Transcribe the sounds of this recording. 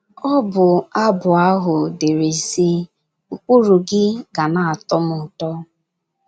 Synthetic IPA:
ɔ˦bʊ˨a˦bʊ˨a˦ɦʊ˨de˨ɾe˨si˦ | u˨ku˦ɾu˨ɡɪ˦ɡa˨na˨a˨tɔ˦mʊ˨tɔ˦

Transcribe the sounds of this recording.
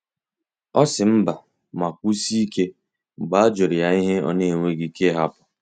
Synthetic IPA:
ɔ˦sɪ˨m̩˦ba˨ | ma˨kʷu˦si˦i˦ke˦ | ŋ͡m̩˨ɡ͡ba˦a˦d͡ʒo˨ɾa˨i˦ɦe˦ɔ̰˦ne˨e˨ŋʷe˦ɡi˦ke˦ɦa˦pʊ˨

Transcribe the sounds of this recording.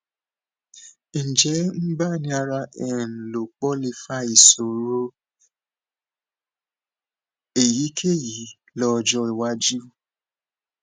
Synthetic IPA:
n̩˨d͡ʒɛ˨˦m̩˦ba˦˨nĩ˧˦a˧ɾa˧ʔɛ˨n̩˨lo˨k͡pɔ˦li˧fa˧˦i˨so˨ɾo˦ | e˨ji˨˦kʰe˦ji˨˦ | lɔ˧d͡ʒɔ˧˦i˨wa˧˦d͡ʒu˦˨

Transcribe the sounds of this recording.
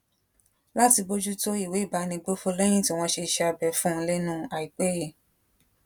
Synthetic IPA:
la˦ti˧bo˦d͡ʒu˦to˦i˦˨we˨˦i˦˨ba˨˧˦nĩ˧ɡ͡bo˦fo˦lɛ˦j̃ĩ˦˨ti˨˦˧w̃ɔ̃˧ʃe˧ʃɛ˦˧a˧˨bɛ˨fũ˦˧le˦nũ˦a˨i˨k͡pe˦e˦˨

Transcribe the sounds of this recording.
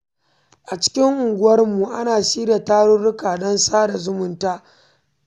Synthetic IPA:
ʔa˨t͡ʃɪ̥˦kʲɪ˦ŋʔʊ˨ŋɡʷʊ˦wɐ˦rmu˨ʔa˦naː˨ʃiː˦da˨taː˦ɽʊ˦ɽʊ˦kaː˨dɔ˦nsaː˦da˨zʊ˦mʊ˨ntaː˦

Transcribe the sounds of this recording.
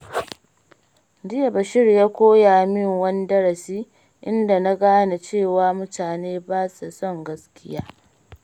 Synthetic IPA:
d͡ʒɪ˦ja˨bɐ˨ʃɪ˦rjaː˦kʷoː˦jaː˨mɪ˦˨ŋwɐ˦n˦dɐ˦ɽɐ˨siː˦ | ʔɪ˦nda˨na˦ɡaː˦na˨t͡ʃeː˦˨waː˨˦mʊ˦taː˨neː˦baː˦sa˨sɔ˦˨ŋɡɐ˦skʲɪ˦jaː˦

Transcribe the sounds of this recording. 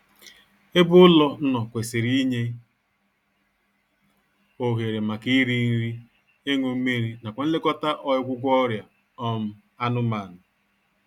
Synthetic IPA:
e˦bʊ˦ʊ˦lɔ˦n̩˦nɔ˨kʷe˨se˨ɾi˦ɲe˦ | o˨ɣe˨ɾe˨ma˨ki˦ɾi˦n̩˦ɾi˦ | e˦ŋʷo˨m̩˦me˦ɾi˨na˨kʷa˨n̩˦le˦kɔ˦ta˦ʔɔ˦jʊ˦kʷʊ˦ɡʷɔ˦ɾja˨ | ɔ˦m̩˦ | a˦nʊ˦ma˨nʊ˨

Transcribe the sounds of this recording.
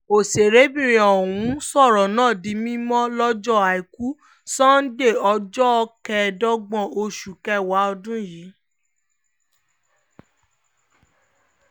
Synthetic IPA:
o˨se˨ɾe˨˦bĩ˦˨ɾ̃ĩ˨ɔ˨wũ˨˦sɔ˦˨ɾɔ˨nãː˦˨dĩ˧˦mĩ˦mɔ̃˦lɔ˦d͡ʒɔ˦˨a˨i˨ku˦ | sã˦n̩˦de˦˨ɔ˧d͡ʒɔ˦ɔ˧kɛ˧dɔ˦ɡ͡bɔ̃˦˨o˧ʃu˨kɛ˦wa˨˦ɔ˧dũ˦˨ji˨˦

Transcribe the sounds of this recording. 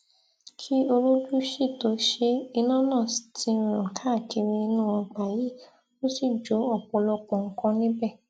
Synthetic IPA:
kʰi˦o˧ɾo˦d͡ʒu˦ʃi˦˨to˨˦ʃe˦i˧nã˦nãː˦˨si˨tʰĩ˧˨˧ɾ̃ã˨kʰa˨˦˨ti˧ɾĩ˧i˧nũ˦ɔ̃˧k͡pa˨ji˨˦ | o˦si˦˨d͡ʒo˨˦ɔ˦˨k͡pɔ˧lɔ˧k͡pɔ̃˨ŋ̩˨˦kã˧nĩ˦bɛ˦˨

